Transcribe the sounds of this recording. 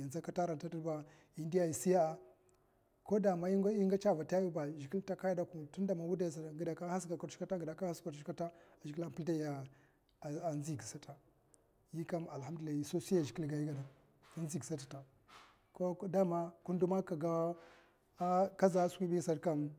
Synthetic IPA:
i˨n˨a˦ka˦ta˦ɾa˨n˨ta˦ti˦ɾba˨ | i˦ndi˦ja˦i˨si˦ja˦a˦ | ko˦da˨ma˦i˦i˦ŋɡa˦t͡ʃa˦va˨ta˦ju˦ba˨ʒi˨ki˦lta˦ka˦ja˦da˦ku˨tu˦nda˨ma˨wu˦da˨ja˨s̬a˨ɡi˨da˨ka˦ha˦s̬ɡa˨ka˨ɾʃi̥˦a˦ta˦ɡi˨da˨ka˦ha˦ska˨ʃka˦ta˦a˨ʒi˨ki˦la˦˨pi˦da˦ja˨ | a˨zi˦ɡi˨sa˦ta˨ | ji˦ka˦ma˨la˦mdu˨a˨i˨so˦si˦ja˨ʒi˨ki˦lɡa˨ji˦ɡa˨da˨ | a˦nzi˨ɡsa˦t̬a˨ta˨ | ko˦da˦ma˦ku˦ndu˦ma˦ka˨ɡa˦ | ka˦za˨˦skʷi˦bi˦sa˨ɾka˦m

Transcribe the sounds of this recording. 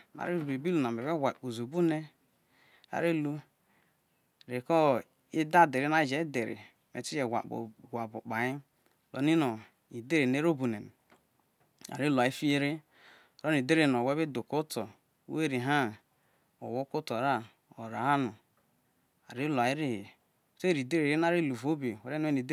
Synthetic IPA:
ma̰˨ɾi˦ɾu˨be˨bi˦lu˨na˨e˨we˦wʷa˨k͡po˨zu˨bu˦ne˦ | a̰˨ɾi˦lu˦ | ɾe˨kɔ˦ | i˦da˦˨de˨ɾi˦na˦˨d͡ʒe˨˦de˨ɾḭ˨ | me˨ti˦d͡ʒe˨ɡʷa̰˨k͡pɡʷa˨bo˨k͡pa˨ɲi˦ | lɔ̰˨ni˦no˨ | i˨de˦ɾe˨ne˦ɾo˦bu˨ne˨n˨ | a̰˨ɾi˦la˨i˦fi˦je˦ɾe˦ | o˨ɾa˦n˨i˨de˦ɾe˨no˨we˦be˦do˨ko˦to̰˨˦ | e˦˨ɾi˨ɦa˦ | o̰˨wo˦ko˦to˨ɾa˦ | o˨ɾa˨a˦nu˨ | a̰˨ɾi˦la˨i˦ɾi˦hi˨ | te˦ɾi˨de˦ɾe˨ɾi˦n˦a˦ɾi˦˨lu˨vo˦be˨we˨ɾe˦n˦ni˨de˦

